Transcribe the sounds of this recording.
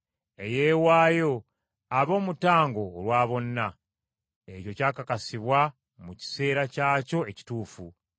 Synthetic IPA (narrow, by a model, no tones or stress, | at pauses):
e̞je̞ːwaːjo̞ | aβo̞ːmutaːŋɡo̞ːlwaːβo̞nːa | e̞co̞caːkakasiβwa | muci̥se̞ːɾacaːco̞e̞ci̥tuːfu